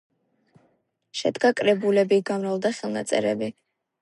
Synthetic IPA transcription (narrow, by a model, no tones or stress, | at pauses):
ʃɛd̪ɡakʼɾɛbulɛbiɡamɾalˠd̪aχɛlˠnat̪sʼɛ̰ɾɛbi